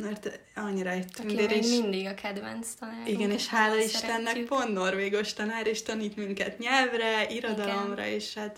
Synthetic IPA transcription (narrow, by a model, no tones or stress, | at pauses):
mɛrt̪ | ɒɲːiɾɒit̪ːyneɾeind̪iɡɒkʰɛd̪vɛnst̪ɒnaiɡɛneːʃhaːlɒliʃt̪ɛnːɛk̚po̞nt̪no̞rveːɡo̞ʃt̪ɒnaːɾeːʃt̪ɒniːt̪miŋkɛt̪ɲɛlvrɛiɾo̞d̪ɒlo̞mrɒ̰eːʃhaːt̪